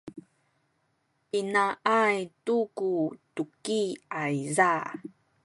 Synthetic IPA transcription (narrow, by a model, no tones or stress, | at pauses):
pinaʔajtukutukiaiza